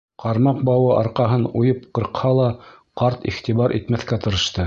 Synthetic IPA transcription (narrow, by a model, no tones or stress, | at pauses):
qɑɾmɑqbɑwɤʔɑɾqɑɦɤnujɤp̚qɤ̆ɾqhɑlˠɑ | qɑɾt̪ḭχt̪iβɑɾʔit̪mæθkæt̪ɤ̆ɾɤ̆ʃt̪ɤ